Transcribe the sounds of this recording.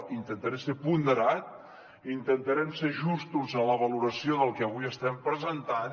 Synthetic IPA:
int̪ənt̪əɾɛmsepund̪əɾat̪̚ | int̪ənt̪əɾɛmseʒust̪uzənləβəluɾəsioðəlˠkɛəβ̞uiəst̪ɛmpɾəzənt̪an

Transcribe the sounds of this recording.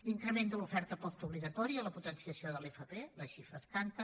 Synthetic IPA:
liŋkɾəmend̪əlufɛɾt̪əpɔst̪uβliɣət̪ɔɾiələput̪ənsiəsioðəlefəpeləʃifɾəskant̪ə

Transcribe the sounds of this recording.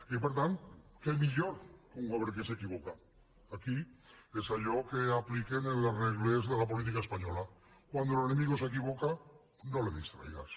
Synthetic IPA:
epeɾt̪ant̪kemiʎoɾkoŋaβeɾkesekiβ̞okaː | kiesaʎokeaplikenelareɣlezðelap̬olit̪̬ikaespaɲola | kwand̪olene̞miɣose̞k̬iβoka | noleðḭst̪ɾa̰jɣa̰s

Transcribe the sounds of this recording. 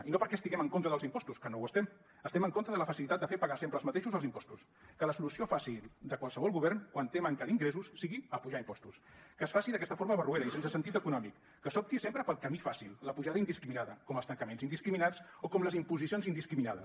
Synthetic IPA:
inopəɾkɛəst̪iɣɛməŋkont̪ɾəðəlˠzimpɔst̪uskənowəst̪ɛm | əst̪ɛməŋkont̪ɾəðələfəsilit̪at̪̚d̪əfeɾpəɣasempɾəlˠzmət̪eʃuzəlˠzimpɔst̪us | kələsulusiofasid̪əkwalˠsəβɔlˠɣuβ̞ɛrnkwant̪eməŋkəliŋɡɾesusːiɣiəpuʒaimpɔst̪uskəːsfasiðəkɛst̪əfoɾməβərueɾəisensəsənt̪it̪əkunɔmikːəsɔp̚t̪isempɾəpəlˠkəmifasilˠləpuʒaðəind̪iskɾiminaðəkɔməlst̪əŋkəmenzind̪iskɾiminat͡sokɔmləzimpuzisionzind̪iskɾiminaðə̰s

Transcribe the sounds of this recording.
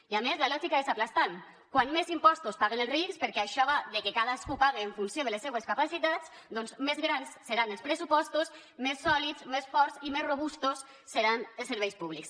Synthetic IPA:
iamezlalɔʒikaesaplast̪an | kwanmezimpɔst̪ospaɣenelˠzrikspəɾkɛaʃɔβaðekekaðaskupaɣeːɱfunsjoðəlesːeβeskapasit̪at͡s | d̪ɔnzmezɣɾansːeɾanelˠspɾesupɔst̪os | mesːɔlizmesfɔɾzimezroβust̪osː | eɾanelseɾβejspuβ̞liks

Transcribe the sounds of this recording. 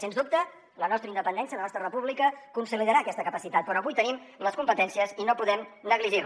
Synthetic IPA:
senzd̪up̚t̪ə | lənɔst̪ɾəind̪əpənd̪ɛnsiələnɔst̪ɾərəpuβlikəkunsiliðəɾaːkɛst̪əkəpəsit̪at̪̚pɾɔəβujt̪ənim | ləskumpət̪ɛnsiəzinopuðɛmnəɣliʒir

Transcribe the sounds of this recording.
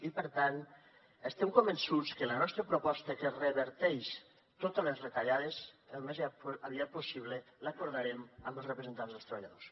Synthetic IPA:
ipəɾt̪an | əst̪ɛmkombənsut͡skələnɔst̪ɾəpɾupɔst̪əkerəβəɾt̪ɛʃ | t̪ot̪əlezret̪aʎaðesəlˠmezəβiat̪̚pusiβ̞lələkuɾðaɾɛməmbəlˠsrəpɾəzənt̪anzðəlˠst̪ɾəβaʎa̰ðos

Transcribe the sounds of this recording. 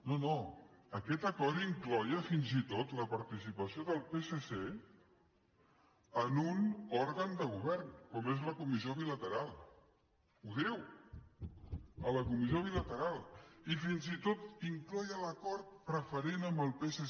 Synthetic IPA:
nono | əkɛt̪əkɔɾiŋklɔjəfinzit̪ot̪ləpəɾt̪isipəsioðəlˠpesese | ənunɔɾɣənd̪əɣ̞uβ̞ɛɾnkɔmezləkumizjoβilət̪əɾalˠ | uðiw | ələkumizjoβ̞ilət̪əɾalˠifinzit̪ot̪iŋklɔjələkɔɾt̪̚pɾəfəɾenəmbəlˠpese

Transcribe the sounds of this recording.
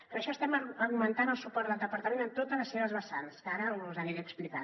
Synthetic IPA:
pɾəʃɔst̪ɛməɾɣumənt̪anəlˠsupɔɾt̪d̪əlˠd̪əpəɾt̪əmenəmt̪ot̪ələsːeβəzβəsanskaɾəuzəniɾɛksplika

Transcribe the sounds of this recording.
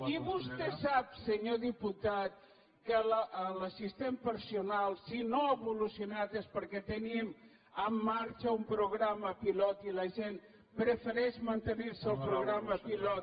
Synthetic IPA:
iβust̪ɛsapsəɲoðiput̪at̪̚ | kələələsist̪empəɾsiunalˠsinoəβulusiunat̪espəɾkɛt̪ənim | əmːaɾt͡ʃəumpɾuɣɾaməpilɔt̪iləʒenm | pɾəfəɾɛʃmənt̪əniɾsəlˠpɾuɣɾaməpilɔt̪

